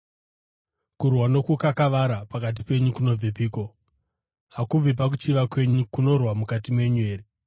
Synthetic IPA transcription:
kurwano̞kukakaʋaɾapakat̬ipe̞ɲukuno̞b͡vepiːko | ɦakub͡vip̬akut͡ʃiʋakwe̞ɲukuno̞rwamukatimwe̞ɲueːri

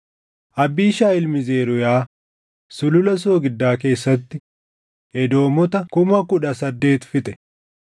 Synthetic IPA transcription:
ʔɐbːiːʃaːɪlmɪzeːɾʊjaː | sʊlʊlɐs̬o̞ːɡɪd̪ːaːk̬e̞ːsːɐt̪ːɪ | ʔɛd̪o̞ːmɔt̪ɐkʊmɐkʊᶑɐsɐd̪ːe̞ːt̪fɪt̪ʼɛ̥

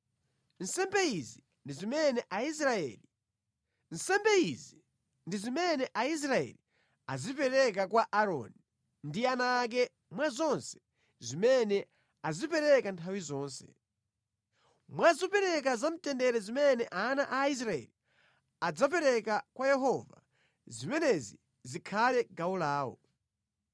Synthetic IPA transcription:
n̩sɛmbɛizi | ndizimɛnɛʔais̬ɾaɛ̰ːli | n̩sɛmbɛizi | ndizimɛnɛʔais̬ɾaɛ̰li | azipɛɾɛkakwaʔaɾɔ̰ni | ndianak̬ɛ | mwazɔnsɛ̥ | zimɛnɛ | azipɛɾɛkantʰawizɔːnsɛ̥̰ | mwazɔpɛɾɛk̬azam̩tɛndɛɾɛzimɛnɛʔanaʔais̬ɾaɛ̰li | ad͡zapɛɾɛkakwajɛɦɔva̰ | zimɛnɛzi | zikʰalɛɡaulaːwɔ̰

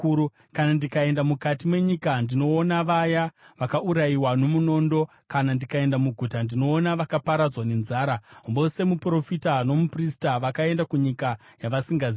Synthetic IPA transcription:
u | kanandikae̞ndamukatimwe̞ɲikandino̞ːnaʋajaʋakaʔuɾaiwano̞muno̞ndo̞ | kanandikae̞ndamuɡʱutandino̞ːnaʋakapaɾad͡zwane̞nzaːɾambo̞se̞mupro̞fitano̞mupristaʋakae̞ndakuɲika | jaʋasiŋɡazi

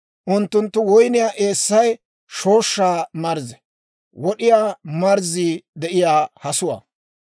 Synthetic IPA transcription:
ʔʊnt̪ːʊnt̪ːʊwɔjnɪjaːʔe̞ːsːɐj | ʃo̞ːʃːaːmɐɾzɛ̥ | wɔɗɪjaːmɐɾzid̪ɛʔɪjaːhɐsʊwa̰ː

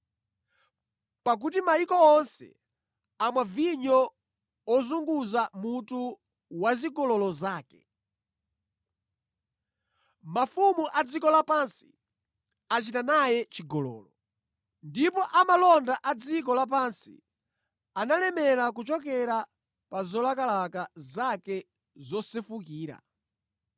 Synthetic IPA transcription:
pak̬utimajikɔɔnsɛ̰ | amwaviɲɔ | ɔzuŋɡuzamutu | waziɡɔlɔlɔzaːkɛ̰ | mafumuʔad͡zikɔlapansi̥ | at͡ʃitanajɛt͡ʃiɡɔlɔ̰ːlɔ | ndipɔʔamalɔndaʔad͡zikɔlap̬ansḭ | analɛmɛɾakut͡ʃɔkɛɾa | pazɔlakalakazakɛ | zɔsɛfukiːɾa̰

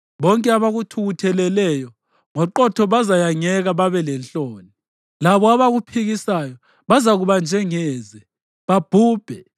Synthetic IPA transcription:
βɔŋkʼɛaβaɣutʰuɣutʰɛlɛlɛjɔ | ŋɔǃɔtʰɔβazajaŋɛɣaβaβɛlɛnɬoːni | laβɔaβaɣupʰiɣisajɔ | βazaɣuβand͡ʒʱɛŋɛːzɛ | βab̥ʱuːb̥ʱɛ

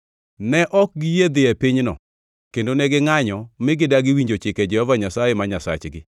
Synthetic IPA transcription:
nɛʔɔk̚ɡɪjed̪ɪɛpɪɲnɔ̰ | kendonɛɡɪŋaɲɔmɪɡɪdaɡɪwiɲd͡ʒot͡ʃɪkɛd͡ʒɛhɔvaɲasajɛmaɲasa̰t͡ʃɡɪ̰

